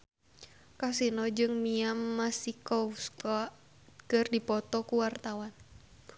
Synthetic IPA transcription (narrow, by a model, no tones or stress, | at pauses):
kasinɔd͡ʒɨŋmiamːasikɔuskɔ | kɨrdipɔt̪ɔkuwart̪awan